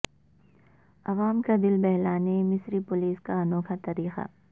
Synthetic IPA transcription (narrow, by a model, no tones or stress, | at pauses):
ɐʋaːmkad̪ɪlbɛɦlaːnemɪsɾipʊliːskaɐnoːkʰat̪ɐɾiːxa̰